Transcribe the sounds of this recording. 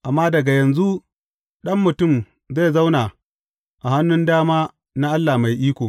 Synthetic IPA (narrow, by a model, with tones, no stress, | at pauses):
ʔa˨mːaː˦dɐ˨ɡa˨jɐ˨nzu˦ | ɗɐ˦mːʊ˨tʊ˦˨m | za˦˨jza˦wnaː˨ | ʔa˨ha˦nːʊ˦ndaː˦maː˦ | na˦ʔa˦lːa˨ma˨jʔiː˦kʷoː˨